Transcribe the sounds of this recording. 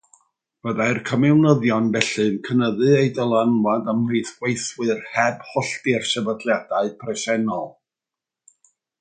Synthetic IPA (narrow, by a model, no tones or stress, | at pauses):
b̥əðaɨrkʰəmɛwnəðjɔnbɛɬɨnkʰənəðɨejdəlˠanwadəmlejθɡ̥wejθwɨrhɛbhɔɬdɪrʃəvədlˠjadaɨpʰrɛsɛnɔlˠ